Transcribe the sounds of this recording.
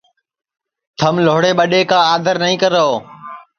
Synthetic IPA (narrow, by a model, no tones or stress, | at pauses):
t̪ʰəmloːɽeːɓəɗeːkãːaːd̪ʱəɾnəĩːkəɾəɦoː